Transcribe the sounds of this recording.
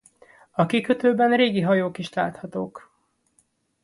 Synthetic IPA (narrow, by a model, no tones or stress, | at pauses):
ɒkikøt̪øːbɛnreːɡiɦɒjoːkiʃlaːt̪hɒt̪oːk